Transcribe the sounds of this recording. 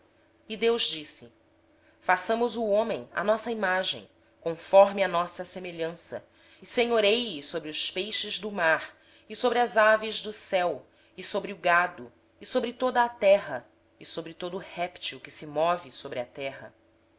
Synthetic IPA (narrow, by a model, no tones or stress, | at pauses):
id̪ewʒd͡ʒisɪ | fasɐ̃mʊzuõmẽŋ̃ɐ̰nɔsɐimaʒḛ̃j̃ | kõfɔɾmiɐnɔsɐsemeʎɐ̃sɐ̰ | seɲoɾejisobɾiʊspejʃɪzd̪ʊmaɾ | ɪsobɾɪɐzavɪʒd̪ʊsɛw | ɪsobɾiʊɡad̪ʊ | ɪsobɾɪt̪od̪ɐːt̪ɛɦɐ | isobɾɪt̪od̪ʊːhɛpt͡ʃiwkɪsɪmɔvɪsobɾɪɐt̪ɛɦɐ̰